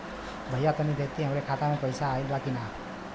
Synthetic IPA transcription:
bʱəjat̪ənibʱjək̚t̪iɦamɾekʰat̪amẽpəjsaːilbakina

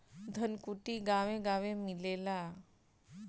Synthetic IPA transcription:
d̪ʱənkuʈiɡaʋẽɡaʋẽmilela

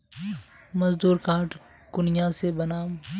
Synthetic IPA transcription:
mɐzd̪uːɾkaːʈ | kʊnɪjãsebɐnaːm

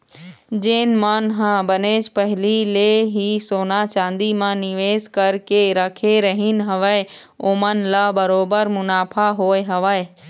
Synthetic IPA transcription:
d͡ʒeːnmənɦãbəneːt͡ʃʰpəɦɪlileɦisoːnat͡ʃãːnd̪imãnɪʋeːskəɾkeɾəkʰeɾəɦɪnɦəʋəe | oːmənlabəɾoːbəɾmʊnaːpʰaɦoːeɦəʋəe

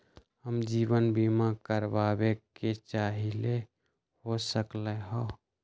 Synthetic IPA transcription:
ɦəmd͡ʒiːwənbimakəɾbabeket͡ʃaːɦile | ɦosəkləɦɔ

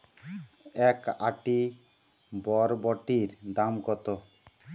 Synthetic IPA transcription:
ɛkaʈi | bɔɾbɔʈiɾd̪amkɔt̪o

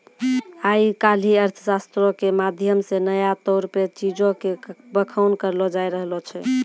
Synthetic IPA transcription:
aikal̤iəɾt̪ʰəsast̪ɾɔkemad̪ʱjəmsenəjat̪ɔɾpet͡ʃid͡ʒõkebəkʰaʊnkəɾlɔd͡ʒajɾəɦlɔt͡ʃʰɛ

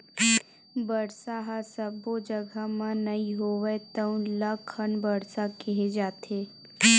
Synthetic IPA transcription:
bəɾsaɦasəbod͡ʒəɡʱamãnɐiɦoːʋet̪əũləkʰːənbəɽsakeɦed͡ʒaːt̪eː

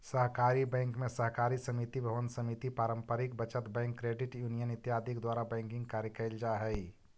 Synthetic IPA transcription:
sɐɦkaːɾibɛ̃ːŋkmẽsəɦkaːɾisɐmit̪ibʱəʋənsəmit̪ipaːɾə̃mpəɾɪk̚bət͡ʃət̪bɛ̃ːŋkːɾeːɖɪʈjuːnijənɪt̪jaːd̪ʱikd̪waːɾabɛ̃ːŋkɪ̃ŋɡkaːɾjəkəɪld͡ʒaɦɛi

